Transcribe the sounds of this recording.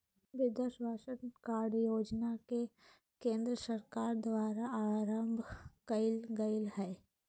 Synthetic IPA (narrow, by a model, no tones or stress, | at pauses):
ʋɪd̪əʃbʱaːʃənkaːɾɽjoːd͡ʒnake | kẽːnd̪ɾəsəɾkaːɾd̪waːɾaaːɾə̃mbʱkəɪlɡəɪlhɛː